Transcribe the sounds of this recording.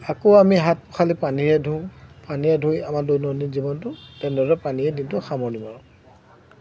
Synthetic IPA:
akoamiɦat̚pɔ̥xʰalipaniɹɛdʱũpaniɹɛdʱujamadojnɔnizibɔntʊtɛndɔɾɔpaniɛdintʊxamɔɹnimaɹʊ̃

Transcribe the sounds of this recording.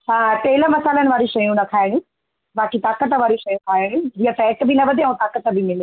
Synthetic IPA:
hãːpɐɦɪləmɐsaːlənɪ̆ʋaːɾiʃɐjũnɐkʰaːɪɽ̃ũː | baːkit̪aːkət̪ʋaːɾiʃɐjũkʰaːɪɽ̃ũd͡ʑiːɐ̃sɛːʈbʱinɐʋɐd̪ʱeɐũːt̪aːkət̪bʱimɪle

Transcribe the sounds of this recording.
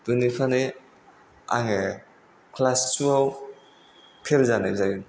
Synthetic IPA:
dunipʰane | a̰ŋe | kʰlassuaw | pʰelzanazajun

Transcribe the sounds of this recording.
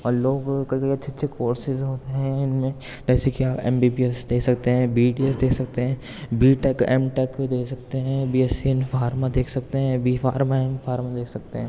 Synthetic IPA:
ɔːɾloːɡkɐikɐiɐtːʃʰeɐtːʃʰekoːɾsɪzɦoːt̪eɦɛ̃ɪnmẽ | d͡ʒɛːsekiaːpɛ̰̃ːmbiːbiesd̪eːkʰsɐk̚t̪eɦɛ̃biːɖiesd̪eːkʰsɐkt̪eɦɛ̃ː | biːʈɛkɛ̰ːmʈɛkd̪eːkʰsɐk̚t̪eɦɛ̃biːɛsinfaːɾmad̪eːkʰsɐkt̪eɦɛ̃biːfaːɾmaɦɛ̃nfaːɾmad̪eːkʰsɐk̚t̪eɦɛ̃ː

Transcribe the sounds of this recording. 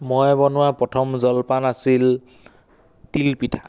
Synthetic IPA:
mɔjbɔnʊwapɔtʰɔmzɔlpanasil | tilpitʰḁ

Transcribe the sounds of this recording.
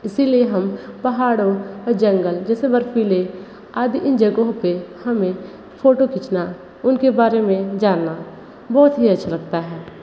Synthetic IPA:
ɪsilieɦɐmpɐɦaːɽod͡ʒə̃ŋɡəld͡ʒɛːsebəɾfile | aːd̪iʔɪ̃nd͡ʒəɡõpehɐmẽ | pʰoːʈokɪt͡ʃna | ʊnkebaːɾemẽd͡ʒaːna | bɔːt̪ɦiɐtːʃʰalɐɡ̚t̪aɦɛː

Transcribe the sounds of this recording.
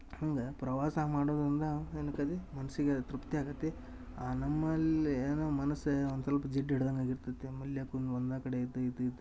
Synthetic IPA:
hɐŋɡɐpɾɐʋaːsɐmaːɽoːd̪ɾind̪ɐenɐkːɐd̪imɐnɐsiɡet̪ɾupt̪iaːɡɐt̪ːe | aːnɐmːɐleːnomɐnɐsond̪sɐlpɐd͡ʒeʈːiɽɐd̪ɐŋɡaːɡiɾt̪ɐt̪ːemɐljɐkunond̪aːkɐɽeit̪ːɐid̪id̪

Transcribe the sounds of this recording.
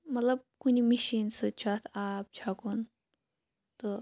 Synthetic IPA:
mɐt̪lɐb̚kunimiʃinsɨt͡ʃʰat̪ʰaːp̚t͡ʃʰakun | t̪ɔ

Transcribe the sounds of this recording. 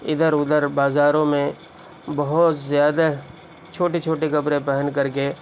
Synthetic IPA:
ɪd̪əɾʊd̪əɾbaːzaːɾõmẽ | bɐɦʊt̪zjaːd̪a | t͡ʃʰoːʈet͡ʃʰoːʈekɐpɾẽpɛɦənkɐɾk̬e

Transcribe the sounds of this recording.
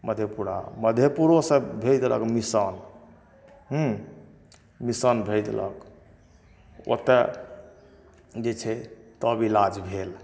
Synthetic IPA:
məd̪ʱjepuɾa̰məd̪ʱjepuɾosə̃bʱed̪lə̰kmisən | ɦũ | misənbʱed̪lə̰k | o̰t̪ɛ | d͡ʒet͡ʃʰɛt̪əbilad͡ʒbʱel

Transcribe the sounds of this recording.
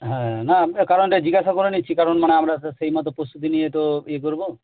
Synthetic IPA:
ɦɛ̃nakaɾɔnʈed͡ʑiɡasakoɾenitːt͡ʃʰikaɾɔnmaneamɾasejmɔt̪ɔpɾost̪ut̪̬inijet̪oek̬oɾbo

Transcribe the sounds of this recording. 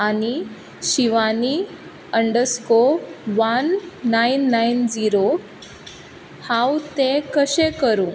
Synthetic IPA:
ani | ɕiʋani | əɳɖəskoʋanːainːaind͡ziɾo | hãwt̪ẽkəɕekəɾũ

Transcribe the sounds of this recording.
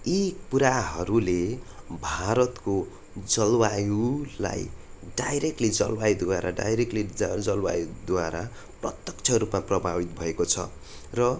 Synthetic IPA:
ipuɾaɦʌɾule | bʱaɾʌt̪ko | d͡zʌlwajula̰jɖajɾek̚ʈlid͡zʌ̰lwajd̪waɾa̰ɖa̰jɾekʈlid͡zʌlwa̰jud̪waɾa | prʌ̰t̪jʌk̚t͡sʰʌrupmaprʌbʱabit̪̚bʱʌekot͡sʰʌ̰ | rʌ

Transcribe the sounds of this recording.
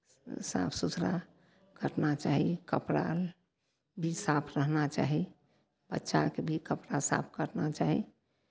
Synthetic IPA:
sa̰pʰsut̪ʰɾa̰ | kəɾnat͡ʃaɦikəpɾa̰l | bʱisapʰɾəɦnat͡ʃa̰ːɦi | bətːʃa̰kebʱikəpɾasa̰p̚ʰkəɾnat͡ʃaɦḭ

